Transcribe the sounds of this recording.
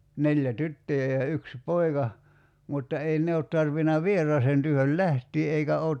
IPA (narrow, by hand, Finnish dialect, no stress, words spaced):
nelʲjæ tytːøjæ jɑ yksi poikɑ mutːɑ ei ne ot tɑrʋinɑ ʋierˑɑːsen tyøhøl læhtiː eikæ oːt